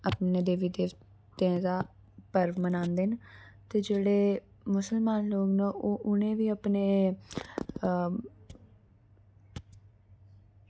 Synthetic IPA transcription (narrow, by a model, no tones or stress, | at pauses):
əpneːd̪eːʋiːd̪eː | t̪ãːd̪aː | pəɾʋmənãːnd̪ent̪eːd͡ʒeːɽeː | mʊsəlmaːnloːɡnãʔoːʔʊnẽːʋiːəpneː